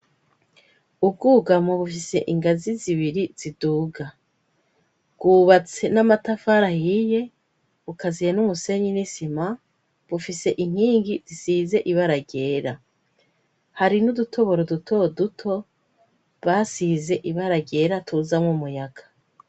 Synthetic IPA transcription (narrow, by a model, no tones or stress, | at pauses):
ub̚ɡuːɡamoβufise̞̰ʔiŋɡaziziβiɾiz̥iduːɡa | ɡ̥uːβat͡se̞namatafaɾahije̞ | βukazijenumuse̞ɲinisima | βufise̞ʔiŋ̥hiːŋɡizisize̞ʔiβaɾaɡe̞ːɾa | haɾinudutʰo̞βo̞ɾodutʰo̞dutʰo̞ | βasize̞ʔiβaɾaɟe̞ːɾatʰuzamumujaɡ̥ḁ